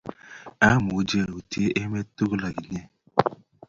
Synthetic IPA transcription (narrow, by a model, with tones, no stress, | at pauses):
a˦mu˨˦d͡ʒe˦˨ɾo˨ti˦e˦ʔe˦me˦tu˦ɣla˨i˨ɲe˦